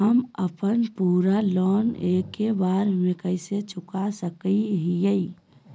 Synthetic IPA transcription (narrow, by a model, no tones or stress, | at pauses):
ɦəməpənpuːɾalɔnekːebaːɾmẽkəɪset͡ʃʊkasəkiɦijəi